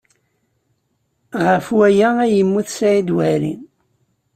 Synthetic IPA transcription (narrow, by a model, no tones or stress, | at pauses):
ʁəfwæjææjəmːuθsæid̪wæɾḭn